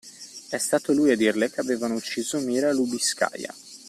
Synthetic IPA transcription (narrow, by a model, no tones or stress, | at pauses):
ɛst̪aːt̪olujad̪ːirlekeaveːvanout͡ʃːiːzomiːɾalubiska̰ːja̰